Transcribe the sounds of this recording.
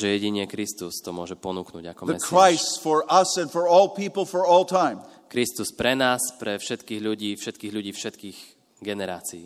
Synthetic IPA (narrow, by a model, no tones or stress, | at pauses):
ʒɛjɛɟiɲɛkɾist̪ust̪ɔmʊɔʒɛpɔnuknṵɟakɔmðəɛskʰɹ̥aɪstfɔɹʔʌsɨ̃nfɔ˞ɔlˠpʰipl̩ˠfɔ˞ɔlˠtʰãɪ̃mkɾist̪uspɾɛnaːspɾɛfʃɛt̪kiːɣʎuɟiːfʃɛt̪kiːɣʎuɟiːfʃɛt̪kiːɣ | ɡɛnɛɾa̰ːt͡siː